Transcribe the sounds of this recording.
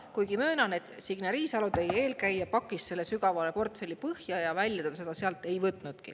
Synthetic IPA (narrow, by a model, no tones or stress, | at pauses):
kujɡ̥imøːnɑne̞t̪ːˑsiɡ̥nɑɾiːsɑlud̪eje̞ːlkæjjɑpɑkːˑisse̞lːesyɡɑvɑle̞po̞rt̪ˑfe̞lʲːipɤhjɑjɑvælʲjɑd̪d̪ɑse̞d̪̥ɑseɑlt̪ːˑe̞jvɤt̪ːˑnud̪̥kḭ